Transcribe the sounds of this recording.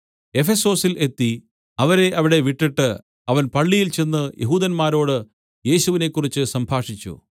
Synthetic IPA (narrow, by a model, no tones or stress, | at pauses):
e̞fe̞so̞ːsilʔe̞t̪ːi | ɐʋɐɾe̞ʔɐʋiɽe̞ʋiʈːiʈːɨ | ɐʋɐnpɐɭːijilt͡ɕe̞nːɨjʔeɦuːd̪ɐnmaːɾo̞ːɽɨ | je̞ːɕuʋine̞kːurit͡ɕːɨsɐmbʱaːʂit͡ɕːṵ